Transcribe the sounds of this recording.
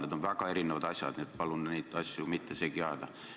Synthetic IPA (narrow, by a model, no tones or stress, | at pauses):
ned̪onvækɑe̞ɾineʋɑd̪ɑsʲjɑ̰d̪niet̪pɑlunniːt̪ːˑɑsʲːjumit̪ːesekiɑd̪̥ɑ